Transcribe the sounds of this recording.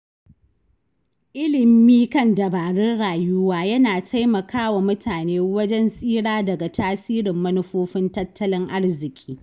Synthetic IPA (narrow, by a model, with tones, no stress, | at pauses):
ʔɪ˦lɪ˨miː˦kɐ˦˨ndɐ˨baː˨ɽʊ˦rɽaː˨jʊ˦waː˦jɐ˦naː˨tʰa˦jmɐ˨kʰaː˦wa˨mʊ˦tʰaː˨neː˦wɐ˦d͡ʒɛ˦nsʼiː˦ɽaː˦dɐ˨ɡa˨tʰaː˦siː˦ɽɪ˨mːɐ˦nʊ˦ɸoː˦ɸɪ˦ntɐ˦tːɐ˦lɪ˦ŋʔa˦ɽzɪ˨kʲʼi̥ː˦